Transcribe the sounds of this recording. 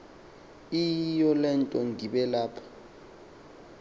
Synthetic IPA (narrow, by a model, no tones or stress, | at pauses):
ijɔlɛntʼɔŋɡiɓɛlaːpʰɔ̥